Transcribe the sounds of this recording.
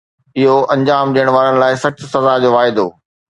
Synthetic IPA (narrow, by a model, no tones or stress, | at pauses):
ɪɦoʔɐ̃ɲd͡ʑaːmd͡ʑiəɽ̃ʋaːɾənɪ̆laːɪsɐt͡ɕʊsɐzad͡ʑoːʋaːɪd̪oː